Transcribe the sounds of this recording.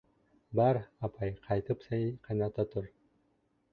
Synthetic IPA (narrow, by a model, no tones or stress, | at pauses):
bɑɾɑpʰɑjqʰɑjt̪ɯpsɑjqʰɑjnɑt̪ɑt̪ʰuɾ